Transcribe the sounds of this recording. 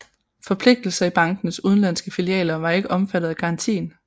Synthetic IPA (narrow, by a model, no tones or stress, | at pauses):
fɒ̽pʰle̝ɡ̥̚d̥l̩sɐib̥ɑ̈ŋɡ̥n̩suð̞ˠn̩lænsɡ̥əfiliɛ̰ːlɐʋɑ̈e̝ɡ̥əʔɒ̽mfæd̥ð̩ˠæɡ̥ʰɑ̈ɑ̈nt͡sʰḭːn